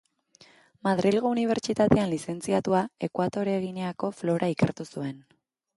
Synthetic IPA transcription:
maðɾilɣouniβ̞e̞ɾt͡ʃit̪at̪e̞anlise̞nt͡siat̪uae̞kwat̪o̞ɾeɣ̞ineako̞flo̞ɾʔaike̞̰ɾt̪usue̞n

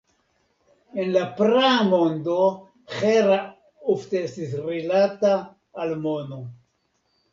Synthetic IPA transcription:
enlapɾamond̪o | χeɾa | uft̪eest̪isrilat̪aː | lmono

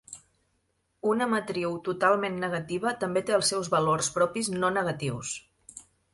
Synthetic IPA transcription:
unəmət̪ɾiwt̪ut̪alˠmenːəɣ̞ət̪iβ̞ət̪əmbet̪eəlˠsːɛwzβəlorspɾɔpiznonəɣət̪iws

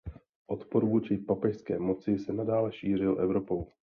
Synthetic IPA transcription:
ʔo̞t̪poɾvuːt͡ʃɪpapɛʃskɛ̰ːmo̞t͡sɪsɛnadaːlɛʃiːr̝ɪlʔɛvɾo̞po̞w

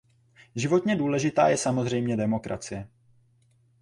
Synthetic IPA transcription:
ʒɪvo̞t̪ɲɛduːlɛʒɪt̪a̰ːjɛsamo̞zr̝ɛjmɲɛdɛmo̞kɾa̰t͡sɪjɛ

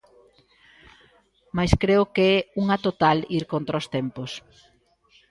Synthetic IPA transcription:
majskɾeʊkeɛuŋɐt̪ot̪aliɾkont̪ɾaost̪ɛmpos

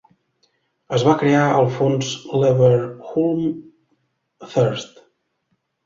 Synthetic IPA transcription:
əzβakɾeaəlˠfonzlɛβəɾxulˠm | fəɾst̪

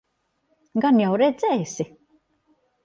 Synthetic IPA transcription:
ɡanjawɾɛd̪zɛjsi

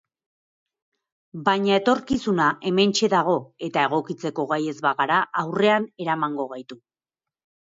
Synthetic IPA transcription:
bajɲae̞t̪o̞ɾkisunaʔe̞me̞nt͡ʃe̞ðaɣ̞o̞e̞t̪ae̞ɣ̞o̞kit͡se̞ko̞ɣaje̞zβaɣaɾaʔawre̞ane̞ɾamaŋɡo̞ɣ̞ajt̪u

